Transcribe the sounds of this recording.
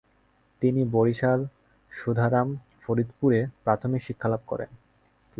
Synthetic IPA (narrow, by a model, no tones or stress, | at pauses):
t̪iniboɾiʃal | ʃud̪ʱaɾam | foɾid̪puɾepɾat̪ʰomikʃikʰːalab̚kɔ̰ɾḛn